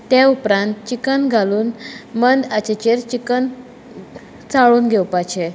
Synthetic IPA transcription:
t̪jaupɾãnt̪t͡ɕikənɡʱaluːnmənd̪at͡ɕet͡ɕeɾt͡ɕikən | t͡saɭuːnɡʱɛwpat͡ɕʰẽ

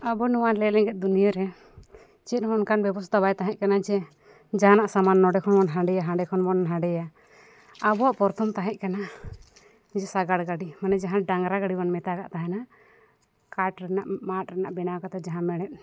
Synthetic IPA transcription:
abɔnuwanlɛlɛŋɡɛt̪̚d̪unijɔɾɛ | t͡ʃɛt̪̚mɔnkanbɛbɔst̪abajt̪aɦɛ̃ʔkanad͡ʒɛ | d͡ʒaanaʔsamanːɔɖɛkʰɔnmanɦãɖɛjaɦãɖɛkʰɔnbɔnɦãɖɛjaː | bɔaʔpɔɾt̪ʰɔmt̪aɦɛ̃ʔ̚ˀkana | d͡ʒɛsaɡaɽɡaɖimanɛd͡ʒaɦãɖaŋɡɾaɡaɽiwanmɛt̪aka̰ʔt̪aɦɛna | kaʈɾɛnaʔmat̪̚ɾɛnaʔbɛnawkat̪ɛd͡ʒaɦãmɛɽ̃ɛt̪̚

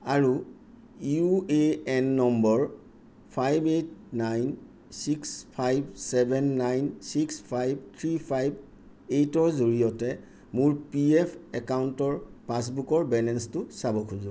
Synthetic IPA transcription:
aɹu | jueɛnːɔmbɔɹ | pʰajbet̚najn | sikspʰajbsɛbʱɛnːajnsikspʰajb̚tʰɹipʰajb̚ | etɔɹzuɹiɔtɛ | muɹpiɛpʰɛkawntɔɹpãs̬bukɔɹbɛlɛnstʊsabɔkʰuzɔ

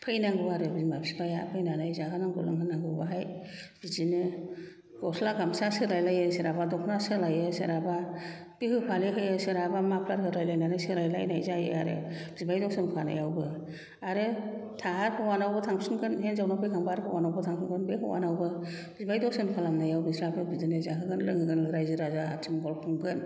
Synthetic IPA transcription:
pʰɯjnaŋɡɯwaɾɯbizmabizbajapʰɯjnanajzakʰɯnaŋɡɯ̰lɯ̰ŋkʰɯnaŋɡɯwbaɦaj | b̥izinɯ | ɡ̥ɔslaɡamsasɯlajlajɯsɯɾabadɔkʰnasɯlajɯsɯɾaba | bɯhɯpʰaleɦɯjɯsɯɾabamapʰlaɾhɯɾajlajnanɯsɯɾajla̰jnajzajɯ̰aɾɯ̰b̥izbajdɔwsɯnpʰana̰jawbɯ | aɾɯtʰaɦaɾpʰɯwanawbɯtʰaŋsɯnkʰɯnɦenzawnapʰɯɡaŋbaɾpʰɔwanawbɯtʰaŋsʰɯnkʰɯnbekʰɔ̰wa̰nawbɯ | b̥izbajdɔsɯnpʰalamnajawbisɾapʰɯbizinezakɯɡɯnlɯŋɯɡɯnɯɾajzɯɾazaa̰tʰimɡɔlpʰuŋbɯn

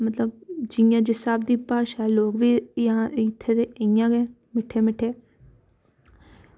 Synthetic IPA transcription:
mət̪ləbd͡ʒɪjãːd͡ʒɪsaːb̚d̪iːpaːʃɛːloːkʋiːjãːɪt̪ʰːeːd̪eːʔəɪjãːɡẽː | mɪʈʰeːmɪʈʰːeː

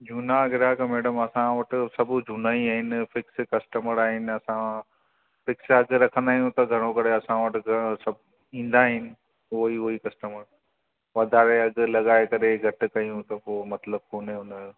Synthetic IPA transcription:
d͡ʒʱunaɐɡɪɾakɐmeːɽəmɐsãʋɐʈɪ̆sɐbʱʊd͡ʒʱunaːiaːɦɪnɪ̆fɪkskɐsʈəməɾaːɦɪnɪ̆ɐsã | fɪksɐɡɾɐkʰə̃nd̪aːɦijũt̪ɐɡʱɐɾ̃õkɐɾeɐsãʋɐʈɪɡsɐb | ĩːn̆d̪aːɦɪnɪ̆ | ʊɦiɦʊikɐsʈəməɾ | ʋɐd̪ʱaːɾeɐɡʊ̆lɐɠaːekɐɾeɡʱɐʈ̆kɐjũt̪ɐpoːmɐt̪ləb̚koːneɦʊna

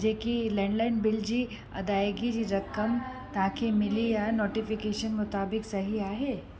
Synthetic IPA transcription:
d͡ʒeːkilɛ̃ːɳɖlaːɪnbɪld͡ʑi | ɐ̰d̪aːjɡid͡ʑiɾɐkəm | t̪aãkʰemɪlijanoːʈɪfɪkeːʃənmʊt̪aːbɪksɐɦiaːɦeː

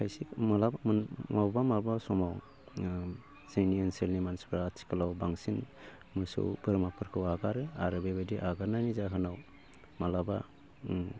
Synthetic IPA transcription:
kʰajsikmalabamɯnmawbamaɾbasɔmaw | sejniɯnselnimansbʰɾaːtʰi̥kʰalawbaŋsin | mɯsɯ̰wpʰɯɾmapʰɯɾkʰɯwaɡaɾɯaɾɯbebediʔaɡaɾnanizaɦɯnaw | malaba

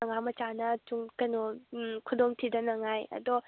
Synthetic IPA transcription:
ŋamɐt͡ʃanɐtuŋkɐnɔkʰudoŋtʰidɐnɐŋajɐ̰dɔ

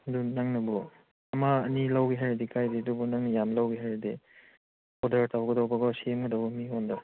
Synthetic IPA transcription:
dunaŋnɐbɔ | ɐmaɐnilawɡiɦajɾedikʰajdidubɔnaŋnjamlawɡiɦajɾedi | ɔdɐɾtawɡɐdawbaɡɔsiemɡɯdawbɔmihɔnda

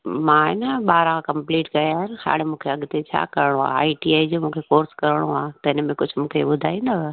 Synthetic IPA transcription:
mãɪnəɓaːɾãkɐ̃mpliːʈkɐjaːɦɪnɪ̆ha̰ːɽemũːkʰeɐɠt̪et͡ɕʰa̰ːkɐɾɪɽ̃õa̰ːa̰ːiʈiaːid͡ʑomũːkʰekoːɾskɐɾɪɽ̃oaːt̪ɐɪnmẽkʊd͡ʑʱʊmũːkʰeɓʊd̪ʱaːĩːnd̪ɐ

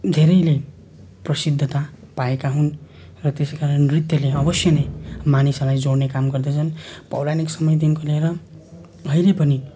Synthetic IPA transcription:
d̪ʱeɾʌjle | prʌsid̪ʱːʌt̪a | paekaɦun | rʌt̪eskaɾʌnrit̪jʌleʌbʌsjʌnejmanisʌlajd͡zoɽnekamɡʌrd̪ʌt͡sʰʌnpʌ̰wlaniksʌmʌjd̪inkoleɾʌ | ʌjlepʌni

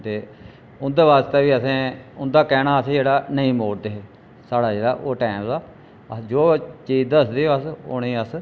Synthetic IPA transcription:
t̪eː | ʊnd̪eːʋaːst̪eːʋiːəsẽːʊnd̪aːkɛːnaːəsĩːd͡ʒeːɽaːnəĩːmoːɽd̪eːɦeː | saːɽaːd͡ʒeːɽaːʔoːʈɛːmd̪aː | əd͡ʒoːt͡ʃiːzd̪əəsd̪iːəso̰nẽːəs

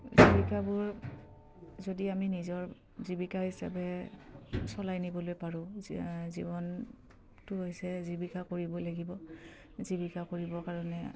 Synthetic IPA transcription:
zibikabʊɹ | zodiaminizɔɹ | zibikaɦisa̰bɛ | sɔlajnibɔlojpaɹʊ̃zibɔn | tʊɦojsɛzibikakoɹibɔlaɡibɔ | zibikakoɹibɔkaɹɔnɛ

